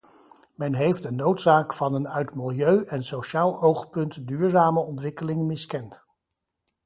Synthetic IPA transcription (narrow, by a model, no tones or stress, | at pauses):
mɛnɦejfdənowtsaːkfɑnənœɥtmɪlˠjøɥʔɛnsowʃaːlˠowχpɵntdyːɹzaːməɔntʋɪkəlɪŋmɪskɛnt